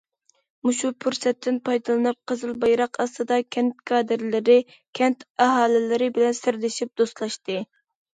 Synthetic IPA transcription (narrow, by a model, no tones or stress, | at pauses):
muʃupʰuɾsɛt̪ʰːɪnpʰɑjd̪ɨlˠɨnɨp̚qʰəzɨlˠbɑjɾɑqʰɑst̪ɨd̪ɑkʲʰɛnt̪̚kʰɑːd̪ɪɾlɪɾɪ | kʲʰɛnt̪ɛɦɑːlɪlɪɾɪbɪlɛnsɪɾlɪʃip̚d̪̥ost̪lˠɑʃt̪ɨ